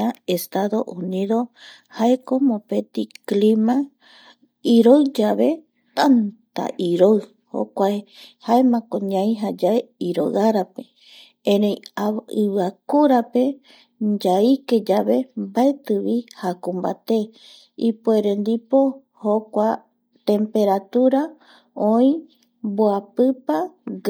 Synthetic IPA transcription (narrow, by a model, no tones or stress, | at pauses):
aest̪aðo̞ʔunĩðo̞ | haeko̞mõpet̪iklimã | iɾoɨd͡ʒaβe̞ | t̪ant̪a̰ʔiɾoɨ | ho̰kʷaehaemãkõɲãĩɦad͡ʒaeiɾoaɾape | ẽɾejaɨβɨakuɾape̞ | d͡ʒaike̞d͡ʒaβe̞mbaet̪ɨβihakũmba̰t̪e̞ | ipoeɾend̪ipo̞ | hokʷa | t̪ẽ̞mpe̞ɾat̪uɾa | õĩ | boapɨpa